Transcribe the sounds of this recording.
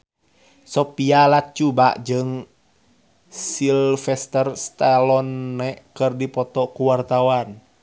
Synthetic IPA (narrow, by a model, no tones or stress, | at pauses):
sɔpialat͡ʃubaʔd͡ʒɨŋ | silfɛst̪ərst̪alɔnːɛkɨrdipɔt̪ɔkuwart̪awan